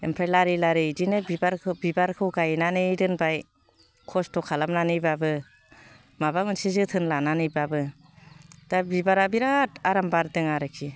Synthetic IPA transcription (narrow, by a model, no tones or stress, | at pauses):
empʰɾelaɾilaɾɯdinebibaɾbibaɾkʰɯwɡajnanɯɾɯnbaj | kʰɔstʰɔkʰalamnanɯjbabɯ | mabamɯnsizɯtʰɯnlananɯjbabɯ | d̥abibaɾabiɾataɾambaɾdɯŋaɾɯkʰi